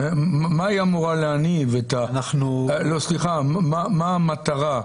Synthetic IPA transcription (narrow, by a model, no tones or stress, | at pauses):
mmajamuʁaleanivetanaχnulosliχammamaːmat̪aʁa